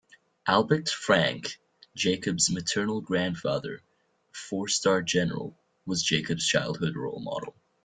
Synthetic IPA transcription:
ʔælˠbək̚tfɹæ̃ŋk | d̥ʒ̥eɪkɨbzmɨtʰɜ˞nl̩ˠɡɹæ̃nd̥fɑðə̰˞ | fɔɹstɑɹd͡ʒɛnə̰˞ə̰l̩ˠ | wʌzd͡ʒeɪkɨbz̥t͡ʃʰaɪlˠd̚hʊd̚ɹo̰ʊlˠmɑ̰ɾl̩ˠ

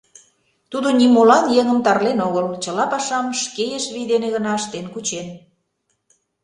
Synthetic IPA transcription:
t̪ud̪onimolɑnjeŋə̆mt̪ɑrlenoɣəlt͡ɕə̆lɑpɑʃɑmʃkejeʃβid̪eneɣə̆nɑəʃt̪enkut͡ɕen

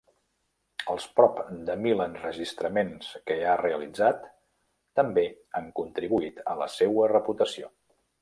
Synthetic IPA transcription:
əlˠspɾɔpd̪əmilənrəʒist̪ɾəmenskəareəlid͡zat̪ː | əmbe | aŋkunt̪ɾiβuit̪ə̰lə̰sewərəput̪əsio

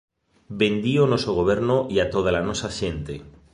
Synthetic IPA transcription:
bend̪ionosoɣ̞oβ̞e̞ɾnoʔiat̪oð̞alanosaʃẽnt̪e

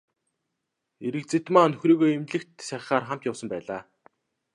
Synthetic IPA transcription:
eɾɘ̆kt͡set̪maːnɵxriːɣoːemɮɘ̆kt̪sæɪ̆χaːrχam̥t̪jawsə̆mpæːɮaː

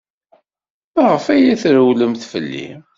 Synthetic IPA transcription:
mæʁəfæjæθɾəwləmθfə̰lːḭ

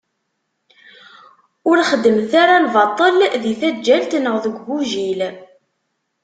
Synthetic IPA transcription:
ʊɾχəd̪ːəmθaɾalvɑt̪ˤːəlðiθæd͡ʒːælt̪nəʁðəɡʷbuʒil

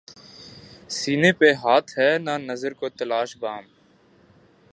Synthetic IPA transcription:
siːneːpeːɦaːt̪ʰɦɛːnaːnəzəɾkoːt̪əlaːʃbaːm

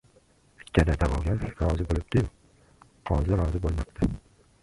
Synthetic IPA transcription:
ɪkʲʰːanad̪avɒɡʲaɾɒzɪbolɪb̚d̪̥ɪjʊq̚ | hɒzɪɾɒzɪbolˠmapt̪ʰɪ

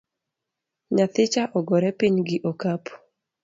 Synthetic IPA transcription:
ɲat̪ɪt͡ʃaʔɔɡɔɾɛpiɲɡɪʔokap

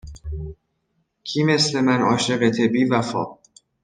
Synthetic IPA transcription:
cʰiːme̞sle̞mænɒːʃeɣet̪ʰebiːvæfɒ̰ː

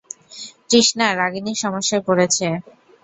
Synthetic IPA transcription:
kɾiʃnaɾaɡiniʃɔmoʃːapoɾet͡ɕʰe

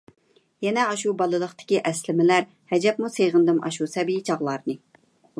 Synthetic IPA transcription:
jɛnɛɑʃubɑlˠɨlˠəχt̪ɪ̥kʲiʔɛslɪmɪlæɾ | hɛd͡ʒɛpmuseʁənd̪ɨmʔɑ̰ʃusɛbijit͡ʃʰɑʁlˠɑɾnɨ

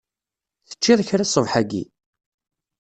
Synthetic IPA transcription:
θə̥t͡ʃːiðˤçɾasˤːəvħaɡḭ

